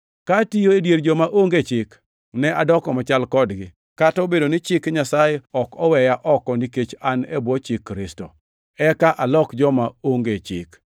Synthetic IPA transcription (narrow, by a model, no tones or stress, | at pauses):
katijoedjeɾd͡ʒɔmaʔoŋɡet͡ʃɪk | nɛʔadɔkɔmat͡ʃalkɔdɡɪ | kataobedonɪt͡ʃɪkɲasajeɔkɔwɛjaʔɔkɔniket͡ʃanebwɔt͡ʃɪkːɾɪstɔ̰ | ɛkaʔalɔkd͡ʒɔmaoŋɡet͡ʃɪ̰k